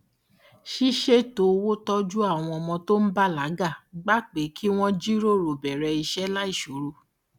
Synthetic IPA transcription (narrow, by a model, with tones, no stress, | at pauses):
ʃi˦ʃe˦to˨˦wo˦tɔ˦d͡ʒu˦a˦˨w̃ɔ̃˧ɔ˧mɔ̃˧to˦n̩˦ba˦la˨˦ɡa˦˨ɡ͡ba˦k͡pe˨˦kʰi˦w̃ɔ̃˦d͡ʒi˦ɾo˦˨ɾo˨bɛ˨ɾɛ˧i˧ʃɛ˦la˦i˦˨ʃo˨˦ɾo˧